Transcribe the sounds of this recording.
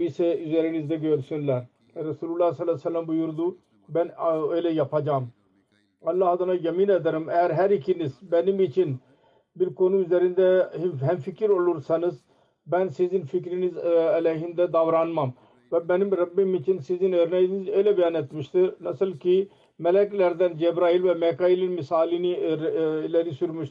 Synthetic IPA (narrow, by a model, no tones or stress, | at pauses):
bisɛyzæɾinizd̪ɛɡøɾsynlæɾ | ɾɛsuːlulˠːahsɑlːasɛlːambujuɾd̪u | bɛnøjlɛjapʰad͡ʒam | ɑlːɑhd̪ɑnajaminɛd̪aɾɯmɛjæɾɦæɾikʰinizbɛnimit͡ʃʰin | biɾkonuyzɛɾind̪ɛiɦɛmfikʰiɾolˠuɾsɑnɯz | bɛnsizinfikɾinizɛlɛɦind̪ɛd̪avɾaːnmam | vɛbɛnimɾɐbːimit͡ʃʰinsizinəɾnɛizejlɛbɛjanet̪miʃt̪iɾnɛsilki | mɛlɛklæɾd̪ɛnd͡ʒɛbɾaːilvɛmɛkɑilinmisaːlini | lɛɾisyɾmiʃt̪